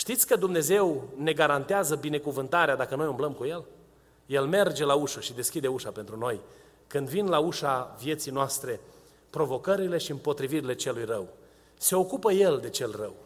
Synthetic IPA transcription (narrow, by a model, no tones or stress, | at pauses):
ʃt̪it̪sʲkəd̪umne̞ze̞wne̞ɡaɾant̪eazəbine̞kuvɨnt̪aɾead̪akəno̞jumbləmkuje̞l | je̞lme̞rd͡ʒe̞lauʃuʃid̪e̞skʲid̪e̞uʃape̞nt̪ɾuno̞j | kɨnd̪vinlauʃavije̞t̪sijnoast̪ɾe̞ | pɾo̞vo̞kəɾile̞ʃiɨmpo̞t̪ɾiviɾile̞t͡ʃe̞lujrəw | se̞o̞kupəje̞ld̪e̞t͡ʃe̞lrə̰w